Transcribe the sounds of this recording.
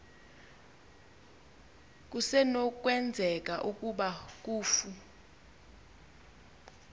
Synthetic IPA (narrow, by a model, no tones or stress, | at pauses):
k̬ʼusɛnok̬ʼwɛnd͡zʱɛk̬ʼa̰ʔukʼuɓak̬uːfu